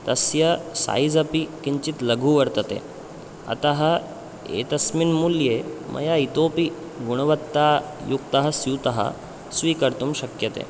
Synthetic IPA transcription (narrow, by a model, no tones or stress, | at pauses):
t̪ɐsjəsa̰id͡zɐpikiɲt͡ɕit̪ləɡʱuːʋəɾt̪ət̪ḛ | ɐ̰t̪aɦɐ | ḛt̪ɐsminmuljemʔɐ̰jait̪opi | ɡuɽ̃ʋət̪ːa | jukt̪aɦəsut̪aɦa̰ | sʋikəɾt̪uːmɕɐkjət̪ḛ